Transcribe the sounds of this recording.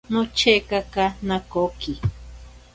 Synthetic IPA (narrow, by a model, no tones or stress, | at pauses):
nõt͡ʃʰekakanãkoki